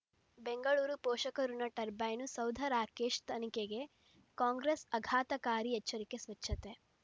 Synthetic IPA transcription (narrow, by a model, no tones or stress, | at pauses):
beŋɡɐɭuːɾupɔːʃɐkɐɾunɐʈɐɾbɐjnusɐwd̪ʱɐɾaːkeːʃt̪ʰɐnikeɡe̞ | kaːŋɡɾesɐɡʱaːt̪ɐkaːɾiɛt͡ʃːɐɾikesʋɐt͡ʃʰːɐt̪e